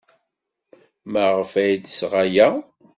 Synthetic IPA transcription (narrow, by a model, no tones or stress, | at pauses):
məʁəfæjd̪sʁajæ